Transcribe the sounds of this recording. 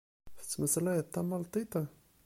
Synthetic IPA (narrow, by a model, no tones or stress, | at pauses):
fi̥t͡sməsalajat̪amalt̪it̪a